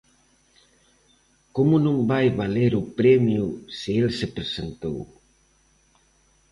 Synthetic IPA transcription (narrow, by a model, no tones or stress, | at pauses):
komʊnõŋbajβaleɾupɾɛmjusɪelsepɾesent̪ow